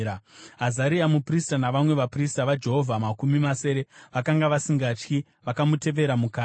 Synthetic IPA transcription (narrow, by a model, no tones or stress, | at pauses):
aɦazaɾiamupristanaʋamwe̞ʋapristaʋad͡ʒe̞ɦo̞vʱamakumimase̞ɾe̞ʋakaŋɡaʋasiŋɡat͡ʃki | ʋakamute̞ʋe̞ɾamukaː